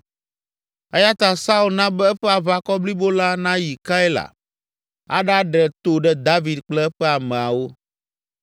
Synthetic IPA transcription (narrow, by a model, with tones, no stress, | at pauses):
e˦ja˦t̪a˨sa˦u˦lnã˦bɛ˦ɛ˦ɸɛ˦a˨βa˨kɔ˦bli˦bo˦la˦nã˦ji˨ka˦e˦la̰˨ | a̰˦ɖa˦ɖɛ˨t̪o˨ɖɛ˦d̪a˦vi˨d̪k͡plɛ˦ɛ˦ɸɛ˦a˨mɛ̃˨a˨wo˦